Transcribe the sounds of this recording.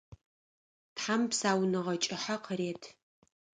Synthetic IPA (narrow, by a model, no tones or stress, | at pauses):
tħampsaːwnɨʁɐt͡ʃʼɪħaqʰəreːtʰ